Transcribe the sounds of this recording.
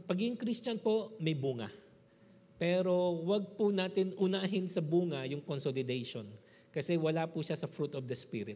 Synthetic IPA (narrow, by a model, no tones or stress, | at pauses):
pɐɡɪŋkɾist͡ʃɐnpo̞mɐjbuːŋɐ̰ | pɛːɾo̞wɐɡ̚punaːt̪ɪnʔʊnaːɦɪnsɐbuːŋɐjʊŋkonsolɪd̪ɛjʃon | kɐsɛwɐlapuʃasɐfɾut̪ɔfd̪ɐspiɾɪt̪̚